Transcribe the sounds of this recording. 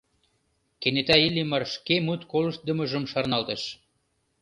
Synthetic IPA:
kenet̪æilʲimərʃkemut̪kolə̆ʃ̚d̪ə̆mə̆ʒə̆mʃɑrnɑlt̪ə̆ʃ

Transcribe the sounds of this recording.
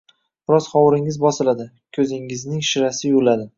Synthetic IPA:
b̥ɪɾɒzχɒwɾɪŋɪzbɒsɪlad̪ɪ | kʲʰɵzɪŋɪznɪŋʃɪɾasɪjʊlad̪ɪ

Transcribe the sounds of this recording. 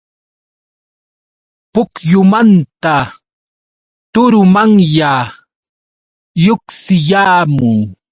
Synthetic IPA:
pʊkjʊmant̪a | t̪ʊɾʊmaŋja | joksɪjaːmʊŋ

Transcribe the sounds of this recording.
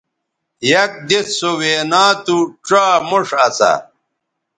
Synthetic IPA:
jɐk̚d̪et͡ssoweːnaːt̪uʈ͡ʂaːmuʂɐt͡sa̰

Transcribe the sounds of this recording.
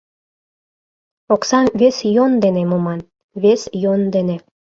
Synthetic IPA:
oksɑmβesjond̪enemomɑn | βesjond̪ene

